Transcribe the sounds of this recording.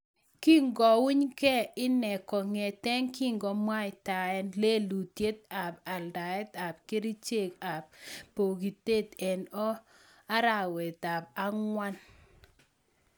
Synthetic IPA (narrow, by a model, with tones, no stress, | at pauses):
ki˦ŋɡɔ˨wi˦ɲkɛ˦ɪ˦nɛ˨kɔ˨ŋe˨tɛ˦ŋki˦ŋɡɔ˨mwa˦ɪ˨ta˨ɛ˦nle˦lu˨tje˦t̪̚a˨ba˨lda˨ɛ˦t̪a˨bke˦ɾi˦t͡ʃe˦˨ka˨b̚pːo˨ɡi˨te˦t̪ɛ˨nɔ˦ | a˦ɾa˦˨wɛ˨t̪a˨b̚a˦ŋwa˦n